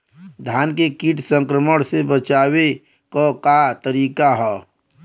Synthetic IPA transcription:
d̪ʱjaːnkekiʈʰsə̃ŋkɾəməɽsebət͡ʃaːwe | kokat̪əɾiːkaɦɛː

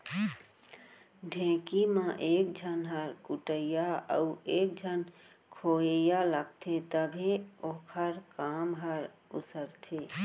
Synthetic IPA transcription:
ɖʱẽːkimãʔeːk̚d͡ʒʱənɦəɾkuʈəjaə̰ueːk̚d͡ʒʱən | kʰoːejaləɡ̚t̪ʰet̪əbʱioːkʰəɾkaːmɦəɾ | ʊsəɾt̪ʰe

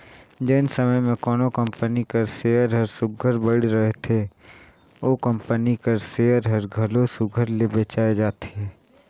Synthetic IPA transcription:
d͡ʒeːnsəməjmẽkɔːnokə̃mpənikəɾseːəɾɦəɾsʊɡʱəɾbəɽeɾəɦet̪ʰe | oːkə̃mpənikəɾseːəɾɦəɾɡʱəlosʊɡʱəɾlebeːt͡ʃaːed͡ʒaːt̪eɦɛː

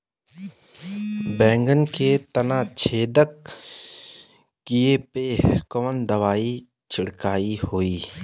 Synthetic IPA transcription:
bɛ̃ːŋɡənket̪ɐnaːt͡ʃʰeːd̪ək | kːiepeːkəmənd̪ɐʋaːi | t͡ʃʰɪɽkaːihoːiː

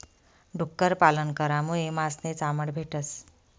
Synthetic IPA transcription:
ɖʱukːəɾpalənkəɾamũemasnet͡saməɽbʱeʈəs

